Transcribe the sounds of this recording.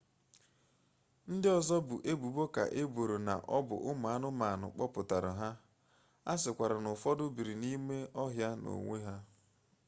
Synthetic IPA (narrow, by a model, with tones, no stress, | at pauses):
n̩˦dɪ˦ɔ˦zɔ˦bʊ˨ʔe˦bu˨bo˦ka̰˨ʔe˦bo˨ɾo˨na̰˨ʔɔ˦bʊ̰˨ʔʊ˦ma˨a˦nʊ˦ma˨nʊ̰˨k͡pɔ˦pʊ˨ta˨ɾʊ˨ɦa˦ | a˦sɪ˨kʷa˨ɾa˨nʊ˨fɔ˦dʊ˦bi˨ɾi˨ni˦me˦ɔ˦ɦja˦no̰˨ŋʷe˦ɦa˦